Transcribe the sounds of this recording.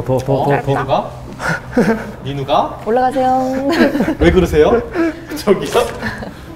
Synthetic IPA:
tʌtʌʌtuɡa | inuɡaoɭːaɡasʰe̞jo | we̞ɡɯɾɯsʰe̞jokɯt͡ɕʰʌɡisʰʌ

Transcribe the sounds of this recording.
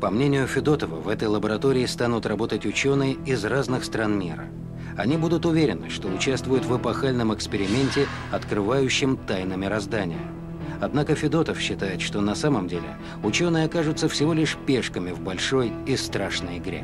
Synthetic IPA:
pɐmnʲenʲɪjʊfʲɪd̪o̞t̪əvə̰vɛt̪əjlˠəbəɾɐt̪o̞ɾʲɪːst̪anʊt̪ɾrɐbo̞t̪ətʲʊt͡ɕo̞nɨjəɪzraznɨxst̪ɾanmʲḭɾə̰ | ɐ̰nʲibud̪ʊt̪ʊvʲeɾʲɪnːɨʂt̪o̞ʊt͡ɕast̪vʊjʊt̪vəpɐxalʲnəmɨkspʲɪɾʲɪmʲenʲtʲɪ | ɐt̪kɾɨvajʉɕːɪmt̪ajnɨmʲɪɾɐzd̪anʲɪ̰jə̰ | ɐd̪nakəfʲɪd̪o̞t̪əfɕːɪt̪ajɪt̪ʂt̪o̞nɐsaməmdʲelʲɪ̰ | ʊt͡ɕo̞nɨjəɐkaʐʊt̪səfsʲɪvolʲɪʂpʲeʂkəmʲɪvbɐlʲʂo̞jɪst̪ɾaʂnəjɪɡɾʲḛ

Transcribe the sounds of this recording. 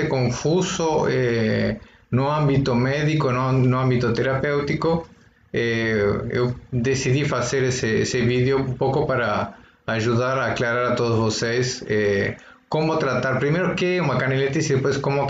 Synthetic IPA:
ekõɱfusoɛ | noãmbit̪omɛðikonnoãmbit̪ot̪eɾapewt̪iko | ɛḛwd̪esiðifaseɾesɪḛsɪβiðjoũmpowkopaɾɐ | aʒuðaɾaːklaɾaɾat̪oðʊzβosejsɛ | komʊt̪ɾat̪aɾpɾimejɾokeɛumɐkanelet̪isiðepojskomʊ

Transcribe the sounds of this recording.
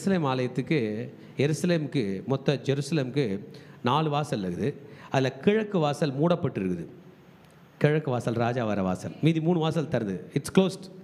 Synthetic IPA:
sɐleːmaːlɐjɐt̪ːɯkːɯ | jɛɾɯsɐleːmɯkːɯmɔt̪ːɐd͡ʒɛɾɯsɐleːmkːɯnaːɭɯʋaːsɐlːɐɣɯðɯɐðɪlɐkɪɻɐkːɯʋaːsɐlmuːɽɐpːɐʈːɯɾɯkːɯðɯ | kɪɻɐkːɯʋaːsɐlɾaːd͡ʒaːʋɐɾɐʋa̰ːsɐ̰lmiːðimuːɳɯʋaːsɐlt̪ɐɾɐnd̪ɯɪʈskloːsʈ

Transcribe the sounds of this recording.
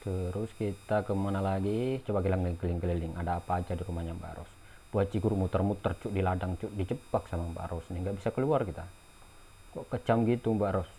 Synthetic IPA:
t̪əɾʊskit̪akəmanalaɡit͡ʃubakilaŋəlŋkəlɪŋkəlilɪŋʔadaːpaːd͡ʒadiɾumaɲambaʔɾɔ̰s | puat͡ʃiɡuɾmut̪ərmut̪ərt͡ʃuʔdiladaŋt͡ʃuʔdid͡ʒəpaksamamba̰ʔɾɔsniŋɡaʔbisakəluarkit̪a | kɔʔkət͡ʃamɡit̪umbaʔɾɔs

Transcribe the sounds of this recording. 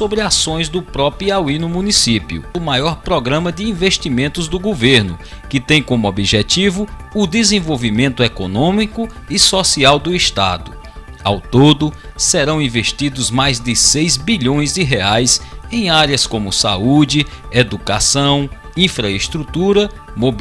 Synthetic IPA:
sobɾɪasõj̃zd̪ʊpɾɔpiawinʊmũnisipjʊ̰ʊmajɔɾpɾɔɡɾɐ̃mɐd̪ɪĩveʃt̪imẽnt̪ʊzd̪ʊɡoveɾnʊkɪt̪ẽj̃kõmʊobiʒɛt̪ivʊː | d̪ezẽvowvimẽnt̪ʊɛkonõmikʊ | ɪsɔsiawd̪ʊɪst̪a̰d̪ʊ | a̰wt̪od̪ʊ | sɛɾɐ̃w̃ĩveʃt̪id̪ʊzmajzd̪ɪsejzbiʎõj̃zd̪ɪɦeajsẽj̃aɾiɐskõmʊsa̰ud͡ʒɪ | ed̪ukasɐ̃w̃ | ĩfɾɐest̪ɾut̪uɾɐ | mob

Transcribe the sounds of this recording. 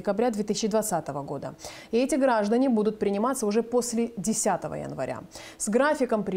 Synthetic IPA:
ɪkɐbɾʲad̪vʲet̪ɨisʲɪt͡ɕːɪd̪vɐt̪sat̪əvəɡo̞d̪ə̰ | ɪɛtʲɪɡɾaʐd̪ənʲɪbud̪ʊt̪̚pɾʲɪnʲɪmat̪səʊʐɛpo̞sʲlʲɪdʲɪsʲat̪əvə̰jə̰nvɐ̰ɾʲa̰ | sɡɾafʲɪkəmpɾʲɪ

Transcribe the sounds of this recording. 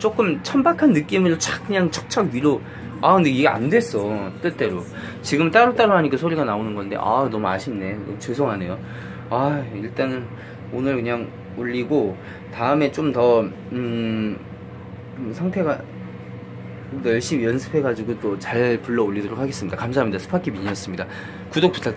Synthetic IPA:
t͡ɕ͈ok͈ɯmt͡ɕʰʌmbakʰanːɯk͈imɯɾot͡ɕak̚k͈ːɯɲaŋt͡ɕʰʌ̥k̚t͡ɕ͈ʰakɥiɾo | akɯndeiɡea̰ndwe̞s͈ʌt͈ɯɭt͈e̞ɾo | t͡ɕiɡɯmt͈aɾɯt͈aɾoɦaɲik͈asʰoɾiɡanaonɯnɡʌnde̞̰ʔa̰nʌmua̰ɕʰinːe̞nʌmt͡ɕesʰoŋɦane̞jo | aiɭt͈anɯn | onɯɭkɯɲaŋ | oʎːiɡo | taɯme̞t͡ɕ͈omtʌ | ɯ | sʰaŋtʰe̞ɡa | nʌɭɕ͈ibjʌnsʰɯ̥pʰe̞ɡad͡ʑiɡot͈ot͡ɕaɭpuɭːʌoʎːidoɾokʰhaɡes͈ɯmɲid̥akams̬ʰaɦamɲidasʰɯ̥pʰakʰimiɲiʌs͈ɯmɲida | kudok̚pu̥tʰak̚

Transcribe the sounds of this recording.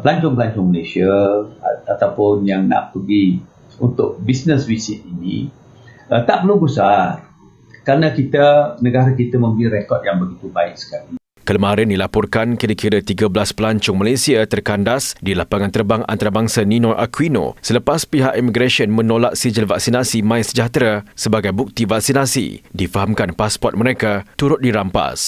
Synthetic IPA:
pəlaɲt͡ʃʊŋpəlaɲt͡ʃʊŋmalesia | at̪awpʊnjaŋna̰ʔpəɡi | ṵnt̪ʊk̚bisnəswisit̪̚inḭ̃ | ət̪aʔpərlubəsar | kɾanãkit̪anəɡaɾak̬it̪amə̃mbəɾiɾekɔt̪̚jaŋbəɡit̪ubaɪk̚sə̥kali | kələmaɾɪndilapɔrkankiɾəkiɾat̪iɡablaspəlaɲt͡ʃʊŋmalesiat̪ərkandasdilapaŋãnt̪ərbaŋʔa̰nt̪aɾabaŋsanĩnɔʔa̰kwino̰sələpaspiɦaʔimiɡɾaʃiənmə̃nolaʔ̚sid͡ʒəlvak̚sinasimãisəd͡ʒaht̪ɾasəbaɡajbuk̚t̪ivak̚sinãsḭdifaɦamkanpaspɔrt̪̚məɾekat̪uɾʊt̪̚diɾampa̰s

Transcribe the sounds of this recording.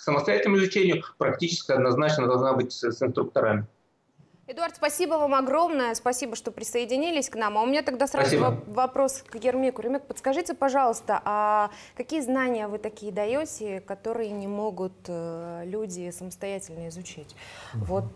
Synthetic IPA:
ksəməst̪ɐjætʲɪlnəmʊɪzʊt͡ɕenʲɪjʊpɾɐk̚tʲit͡ɕɪ̥skʲɪɐd̪nɐznat͡ɕnəd̪ɐlˠʐnabɨtʲsɪnst̪ɾʊk̚t̪ɐɾamʲɪ | ɪd̪ʊaɾrt̪spɐsʲibəvamɐɡɾo̞mnəjəspɐsʲibəʂt̪o̞pɾʲɪsəɪdʲɪnʲilʲɪsʲknamɐʊmʲɪnʲat̪ɐɡd̪asɾaivɐpɾo̞skjɪrmʲikʊɾʲɪmʲek̚pət̪skɐʐɨtʲɪpɐʐɑlˠəst̪əʔakɐkʲijəznanʲɪjəvɨt̪ɐkʲijəd̪ɐjotʲɪkɐt̪o̞ɾɨjənʲɪmo̞ɡʊt̪əlʲudʲɪsəməst̪ɐjætʲɪlʲnəɪzʊt͡ɕatʲvo̞t̪̚

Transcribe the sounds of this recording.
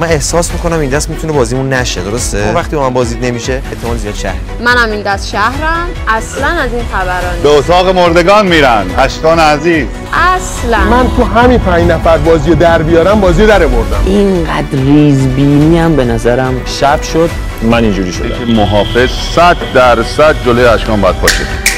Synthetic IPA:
mæne̞hsɒːsmiko̞næmind̪æst̪mit̪une̞bɒːzimunːæʃed̪o̞ɾo̞st̪evæχt̪iːbɒmænbɒːzid̪ne̞miʃe̞et̪ʰːemɒːnzijɒːd̪ʃæ̰hɾimænæmind̪æst̪ʃæhɾæm | æslænæzinxæbæɾɒːnbeot̪ʰɒːɣemoɾd̪e̞ɡɒːnmiːɾænæʃk̪ɒːneæziːz | æslæmænt̪ʰuɦæmipʰæ̃nd͡ʒnæfæɾbɒːzijed̪æɾbijɒːɾæmbɒːzijed̪æɾeboɾd̪æ̰mʔinɢæd̪riːzbiːniːæmbe̞næzæɾæmʃæbʃod̪̥ | mænind͡ʒuːɾiːʃod̪̰emoɦɒːfe̞z̥ | sæd̪d̪æɾsæd̪̚d͡ʒolojeæʃkɒːmbɒjæd̪̚pʰɒːʃe

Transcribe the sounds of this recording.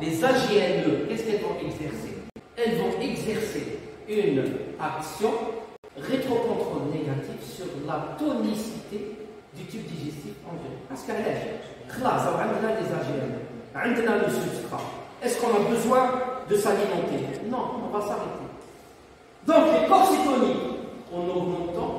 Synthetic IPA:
lezaʒeɛnøkɛskɛlzɔ̃ʔɛɡzɛʁse | ɛlzɔ̃ɛɡzɛʁse | ynaksjɔ̃ | ʁet̪χɔpɔ̃t̪χɔneɡat̪ivsyʁlat̪ɔnisit̪e | d̪yt̪ip̚d̪iʒɛst̪ifɑ̃vɛpaʁskəlɛʒ | χlasd̪ɔʕə̃nd̪ənalezaʒɛnʕə̃nd̪naləsypst̪χa̰ɛskɔ̃nabəzwɛ̃d̪əsalimɑ̃t̪enɔ̃ɔ̃vasaʁet̪ʰe | d̪ɔ̃kkɔ̃sifɔniɔ̃nomɔ̃t̪ɑ̃

